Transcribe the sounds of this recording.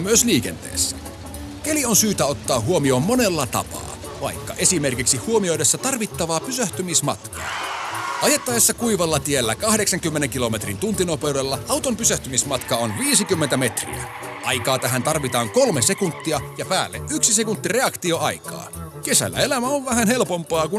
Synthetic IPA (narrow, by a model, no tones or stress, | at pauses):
myøsliːk̟e̞̰nt̪ḛːsːæ̥ | kelio̞nsyːt̪æo̞t̪ːɑːɦuomio̞ːmːo̞ne̞lːɑt̪ɑ̰pɑ̰ː | ʋɑ̰jkːɑ̰ʔe̞sime̞rkiksihuomio̞jdesːɑt̪ɑrʋit̪ːɑʋɑːpysøht̪ymismɑ̰t̪kɑ̰ːʔɑjet̪ːɑjesːɑkuiʋɑlːɑt̪ielːækɑhde̞ksɑŋkymːeneŋkilo̞me̞t̪rint̪unt̪inopeudelːɑʔɑwt̪ompysæht̪ymismɑt̪kɑonʋiːsikymːent̪æme̞t̪rḭæ̰ | ʔɑ̰jkɑːt̪æɦænt̪ɑrʋit̪ɑːŋko̞lmese̞kunt̪ːiɑjɑpæːlːeʔʔyksise̞kunt̪ːire̞ɑkt̪ioɑjkɑ̰ːke̞sæ̰lːæ̰e̞læmæoʋʋæhænhe̞lpo̞mpɑːku